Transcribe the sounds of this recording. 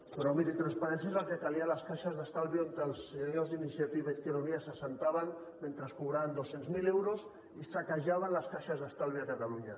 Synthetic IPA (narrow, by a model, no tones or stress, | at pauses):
pɾɔmiɾit̪ɾanspaɾens̬jaezalˠkekalialaskaʃazðast̪alˠβiont̪elˠseɲolzðinisiat̪iβek̪enoniasasent̪aβanment̪ɾəskuβɾaβand̪osenzmilewɾos | isakaʒaβanlaskaʃazðast̪alβiakat̪aluɲa